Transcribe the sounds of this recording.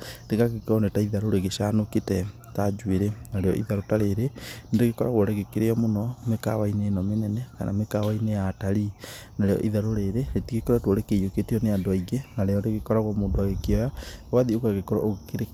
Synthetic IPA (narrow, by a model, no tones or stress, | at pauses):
deɣaɣekɔnetaiðaɾoɾeɣeʃanoketɛ | tad͡ʒweɾenaɾejɔ̰ʔḭðaɾotaɾeɾenendeɣekɔɾaɣwɔɾeɣekeɾeɔmonɔmeka̰waineːnɔmenɛnɛka̰nʔa̰mekawainejataɾi | naɾejɔ̰ʔiðaɾoɾeɾeetiɣekɔɾɛtwoɾekejoketeɔneadoaiɣenaɾejɔndeɣekɔɾaɣwɔmodwaɣekeɔjawaðiokaɣekɔɾɔ̰ʔoɣkeɾe